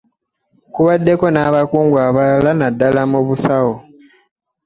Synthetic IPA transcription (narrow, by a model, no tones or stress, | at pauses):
kuβadːe̞ko̞naːβakuːŋɡwaːβalalanadːalamuβusawo